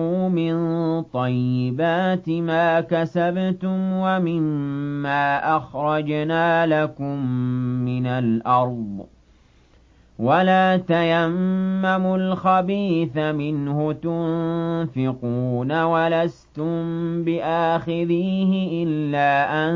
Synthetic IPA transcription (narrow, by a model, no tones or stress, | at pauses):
uːmɪnt̪ˤɑjːɪbaːt̪ɪmaːkasabt̪ʊmwamɪmːaːʔaxɾˤɑd͡ʒnaːlakʊmːɪnalʔɑɾˤd̪ˤ | walaːt̪ajamːamʊlxabiːθamɪnhʊt̪ʊnfɪquːnawalast̪ʊmbɪʔaːxɪðiːhɪʔɪlːaːʔan